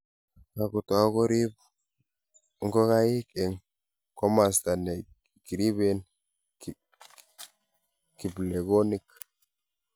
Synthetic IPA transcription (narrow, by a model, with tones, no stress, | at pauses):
ka˨ɡu˨t̪a˨˦ɡo˦ɾi˦b | ŋɡo˦ka˦ji˦ke˨ŋ | ko˦ma˨st̪a˨ne˨ | ɡi˨ɾi˦be˦n˨ | ki˨ble˨ɡo˦ni˦k